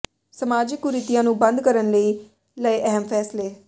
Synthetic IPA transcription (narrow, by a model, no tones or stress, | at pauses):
səmaːd͡ʒɪkːuɾɪt̪ijãːnũːbənd̪kəɾənləiː | ləiʔɛɦəmfʰɛːsleː